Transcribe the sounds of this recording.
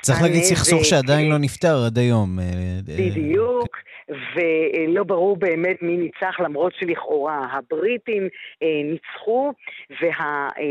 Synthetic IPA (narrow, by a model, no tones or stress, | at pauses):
t͡saʁiχlaɡidsiχsuʁʃeadainlo̞nift̪aʁad̪ajo̞mebidijukvelo̞baʁuʁbeːme̞tminit͡saχlamʁo̞tʃeliχʔo̞ʁaɦabʁitimnit͡sχuve̞ɦa